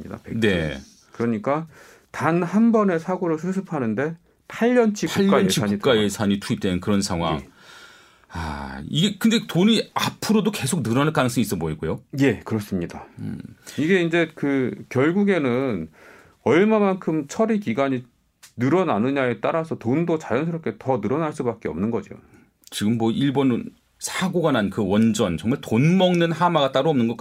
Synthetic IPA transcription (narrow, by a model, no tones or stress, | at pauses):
ɲḭda̰pek̚ne̞ | kɯɾʌɲik͈a | tanhanbʌne̞sʰaɡoɾɯɭsʰɯs̬ʰɯpʰanɯnde̞ | pʰaʎːʌnt͡ɕʰiuʎkːk͈aeiaɲkitk͈aje̞sʰaɲitʰuip̚t͈enɯnkɯɾʌnsʰaŋɦwa̰ŋ | a̰iɡe̞kɯnde̞toɲiapʰɯɾodoke̞sʰok̚nɯɾʌnaɭk͈anɯŋs͈ɯŋis͈ʌboiɡojoje̞kɯɾʌs͈ɯmɲida̰ | iɡe̞ind͡ʑe̞kɯkjʌɭɡuɡe̞nɯn | ʌɭmamankʰɯmt͡ɕʰʌɾikiɡaɲi | nɯɾʌnanɯɲae̞t͈aɾasʰʌtondot͡ɕajʌnsʰɯɾʌp̚k͈e̞tʌnɯɾʌnaɭs͈ubak͈eʌ̰mnɯnɡʌd͡ʑio̰ | t͡ɕiɡɯmːʌʔiɭbon | sʰaɡoɡanankɯwʌnd͡ʑʌnt͡ɕʌŋmaɭtonmʌŋnɯnɦamaɡat͈aɾuʌmnɯnŋɡʌk͈